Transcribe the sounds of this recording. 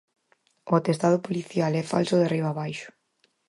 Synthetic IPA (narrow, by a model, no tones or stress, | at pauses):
ʊt̪est̪að̞ʊpoliθjalɛfa̰lsʊðeriβaːβajʃʊ̥